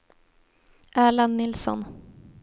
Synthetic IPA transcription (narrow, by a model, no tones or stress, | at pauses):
ʔæːɭənːɪlsɔ̰n